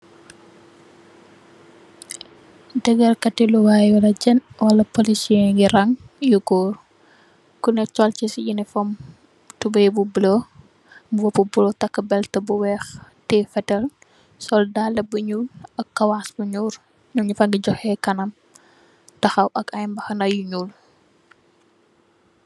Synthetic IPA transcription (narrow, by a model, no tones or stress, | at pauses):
dɛɡɐlkɐtiluwaːjwɐlɐd͡ʒɛnwɐlɐpolisiɛɡiɾɐŋjuɡɔːɾ | kunɛt͡ʃɔlt͡ʃisijinifɔm | tubɐjbubulo | mbuwɔpːubulotɐkːɐbɛltɐbuwɛxtɛfɛtɛl | sɔldalɐbuɲuɐkːɐwasbuɲuːɾ | ɲuɲifɐŋɡiɟɔxɛkɐnɐm | tɐxɐwʔɐkɐjmbɐxɐnɐjuɲuːl